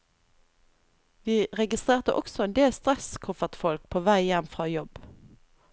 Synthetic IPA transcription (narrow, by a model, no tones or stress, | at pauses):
ʋiːʁɛɡɪst̪ʁeːʁt̪əʔɔksɔɛnd̪eːlst̪ʁɛskʰʊfəʁt̪fɔlk̚pʰoːʋæɪjɛmfʁɑːjɔb